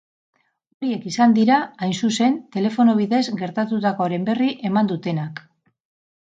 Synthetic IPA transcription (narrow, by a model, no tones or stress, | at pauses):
o̞ɾie̞kisand̪iɾaajnsuse̞nt̪e̞le̞fo̞no̞β̞iðe̞zɡe̞ɾt̪at̪ut̪ako̞ɾe̞mbe̞riʔe̞mand̪ut̪e̞nak